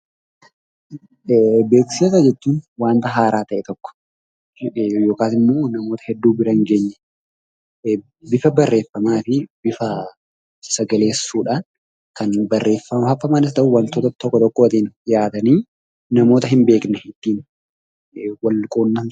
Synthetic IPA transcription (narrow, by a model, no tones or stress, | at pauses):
be̞ːkseːsɐd͡ʒɛt͡ʃːuːnwaːnt̪ɐɦaːɾaːt̪ɐʔɛt̪ɔkːɔ̥ | jo̞ːkaːsɪmːoːnɐmo̞ːt̪ɐhɛd̪ːuːbɪɾɐŋɡeːɲːɛ | bɪfɐbɐrːe̞ːfːɐmaːfɪbɪfɐ | sɐɡɐle̞ːsːuːᶑaːn | kɐnbɐrːe̞ːfːɐmɐhɐfːɐmanɪst̪ɐʔʊwɐnt̪oːt̪ɐt̪ɔkːɔt̪ɔkːoːt̪iːnjaːt̪ɐniː | nɐmo̞ːt̪ɐɦɪmbe̞ːknɛhɪt̪ːiːn | wɐlkʼoːnːɐn